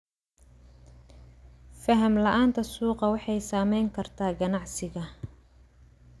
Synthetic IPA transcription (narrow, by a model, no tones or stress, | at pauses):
fɐɦɐmlɐʔaːnt̪ʰɐsuːqɑwɑħɑjsaːmɛjŋkʰɐrt̪ʰaːɡɐnɑʕsɪɣɐ